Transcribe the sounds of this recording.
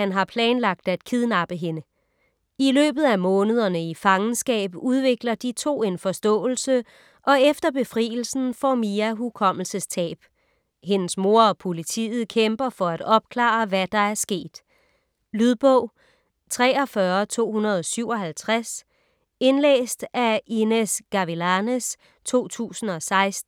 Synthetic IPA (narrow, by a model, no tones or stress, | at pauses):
hænɦɑ̈pʰlɛːnlɑ̈ɡ̥̚d̥æd̥kʰið̞ˠnɑ̈b̥əɦe̝nə | ilø̰ːb̥ð̩ˠæmɔ̽ːnəð̞ˠɐnəifɑ̈ŋn̩sɡ̥ɛ̰ːb̥uð̞ˠʋe̝ɡ̥lɐd̥it͡sʰo̝̰ːe̝nfɒ̽sd̥ɔ̰̽ːl̩sə | ʔɒ̽efd̥ɐb̥e̝fʁḭːl̩sn̩fɒmiæɦukʰɒ̽ml̩səst͡sʰɛ̰ːb̥ | he̝nəsmo̝ɐɒ̽pʰo̝lit͡sʰḭːð̞̩ˠkʰemb̥ɐfɒ̽æd̥ɒ̽b̥̚kʰlɑ̰̈ːʋæd̥ɑ̈æɐsɡ̥e̝̰ːd̥ | lyðˠb̥ɔ̽ʊ̰ | t͡sʰʁɛːɒ̽fɶɐt͡sʰo̝̰ːɦunɐð̞ˠɒsyʊ̰ɒ̽ɦælt͡sʰʁas | e̝nlḛːsd̥æinesɡ̥ɑʋilænes | t͡sʰo̝̰ːt͡sʰṵːsn̩ɒ̽sɑ̈ɪsd̥n̩